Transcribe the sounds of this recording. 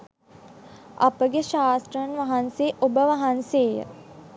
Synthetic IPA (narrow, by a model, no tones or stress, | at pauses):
a̰pəɡeʃaːst̪rəənʋaɦanseʔobəʋaɦanseːjə̰